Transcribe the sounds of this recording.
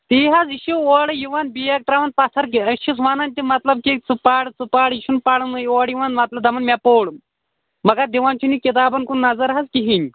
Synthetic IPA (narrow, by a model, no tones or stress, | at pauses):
t̪iːɦɐziʃuoːɽjiʋanbijek̚t̪ɾaʋɐnpat̪ʰɐɾkiɐʃisʋananʲt̪ʲimɐt̪lɐb̚kit͡sɨpaːɽt͡supaɽiʃunpaɽɨnɨjoːɽjiʋanmɐt̪lɐb̚d̪ɐmɐnmʲapoːɽ | mɐɡad̪iʋant͡ʃunikit̪̬aːbɐnkunːɐzɐɾɦɐzkiɦinʲ